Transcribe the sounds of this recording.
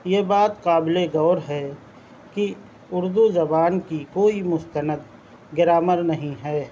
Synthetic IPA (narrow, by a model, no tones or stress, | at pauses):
jebaːt̪qaːbleɡɔːɾɦɛ | ki | ʊɾd̪uzɐbaːnkikoːimʊst̪ənəd̪ | ɡɪɾaːməɾnɐɦĩɦɛː